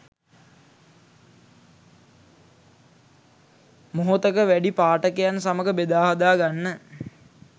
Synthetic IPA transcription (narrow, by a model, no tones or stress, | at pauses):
moɦot̪əkəʋæɖipaːʈəkejansaməɡəbed̪aːɦad̪aːɡanːə